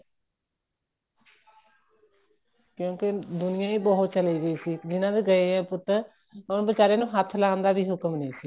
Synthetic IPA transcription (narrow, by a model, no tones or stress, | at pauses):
kjõːked̪ʊnɪjãːiːbəɦʊt̪t͡ʃəliːɡəiːsiːd͡ʒɪnãːʋiːɡəeɛ̃ːpʊt̪ːəɾ | onbət͡ʃaːɾeːnũːɦət̪ʰːlaːnd̪aːbiːɦʊkəmnẽːsiː